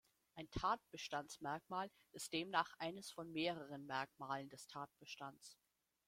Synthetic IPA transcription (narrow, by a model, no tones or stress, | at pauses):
ʔaɪntʰaːt̚b̥əʃtant͡smɛɐkmaːl | ʔɪst̚d̥eːmnaːχʔaɪnəsfɔnmeːʁəʁ̞ənmɛɐkmaːləndɛstʰaːt̚b̥əʃtant͡s